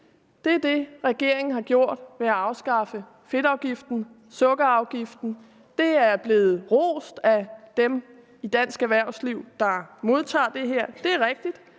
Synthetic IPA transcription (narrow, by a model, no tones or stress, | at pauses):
d̥e̝æɐd̥e̝ʁɛɡ̥e̝ɐ̰eŋn̩ɦɑ̈ɡ̥jo̝ɐ̰d̥ʋeæɑ̈ʊsɡ̥ɑ̈fə | fe̝ɾ̥ɑ̈ʊɡ̥ifd̥n̩ | sɔ̽ɡ̥ɐɑ̈ʊɡ̥ifd̥n̩ | d̥e̝æɐb̥le̝ːð̞̩ˠʁo̰ːsd̥æd̥em | id̥æn̰sɡ̥æʋæɐ̰sliʊ̰d̥ɑ̈mo̝ð̞ˠt͡sʰɑ̰̈ːd̥e̝ɦeɐ̰d̥e̝æɐʁɛɡ̥̚d̥id̥